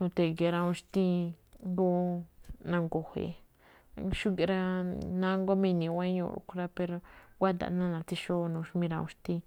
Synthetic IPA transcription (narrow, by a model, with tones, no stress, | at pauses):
nũ˧t̪e˧˨ɡe˧˨ɾa˧ũ˧ʃt̪ĩ˦nd̪u˦ | nã˧ŋɡo˨hḛ˧ | ʃu˦ɡe˧ɾa˦nã˦ŋɡo˦mĩ˧nĩ˧wa˦ɲṵ̃˧˨ɾṵ˧ku˧ɾa˧pe˧ɾo˧ɡʷa˦d̪a̰˨˧nã˦˧nã˧t̪i˧ʃo˦˧nũ˧ʃmĩ˧ɾa˧ṵ̃˧ʃt̪ĩ˧